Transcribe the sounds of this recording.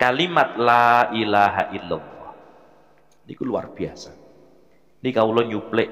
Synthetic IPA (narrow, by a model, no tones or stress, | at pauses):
kalimat̪̚laʔilaɦa̰ʔila̰lːɑh | nikulua̰rb̥i̤asa | nikaulɔɲuplɪʔ